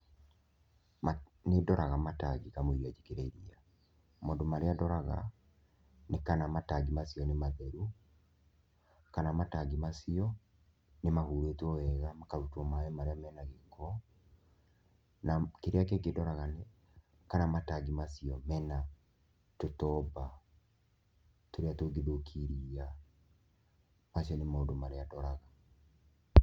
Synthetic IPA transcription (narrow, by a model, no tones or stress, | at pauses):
anedɔɾaɣamataɡiɣamoiɾiad͡ʒikeɾeiɾia | mondomaɾeadɔɾaɣa̰ | nekanamataɡimasiɔnemaðɛɾu | kanamataɡimasiɔ | nemahuɾeːtwɔwɛɣamakaɾutɔmaɛmaɾeamɛːnaɣekɔ | nakeɾeak̬ekedɔɾaɣanɛ | kanamataɡimasiɔmɛna | totɔba | toɾeatoɡidokʰiɾia | masiɔnemaodomaɾeadɔɾaɣa